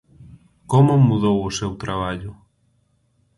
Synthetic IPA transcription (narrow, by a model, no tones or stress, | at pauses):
komʊmuðowʊsewt̪ɾaβ̞aʎʊ